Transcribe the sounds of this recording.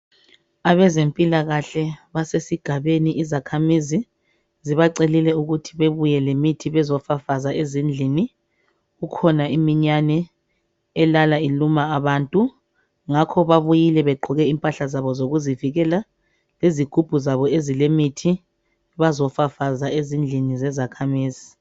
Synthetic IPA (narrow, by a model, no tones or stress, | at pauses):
aβɛzempʼilaɣaɬɛβasesiɡ̥ʱaβeniʔizakʰamizi | ziβaǀelilɛuɣutʰiβeβujɛlemitʰiβɛzɔfafazaezind͡ɮʱini | ɣukʰɔnaimiɲanɛ | ɛlalailumaːβaːntʼu | ŋakʰɔβaβujilɛβɛɡ͡ǃʱɔɣɛimpʼaɬazaβɔzoɣuziviɣɛla | leziɡ̥ʱub̥ʱuzaβɔezilemitʰi | βazɔfafazaezind͡ɮʱinizɛzakʰamiːzi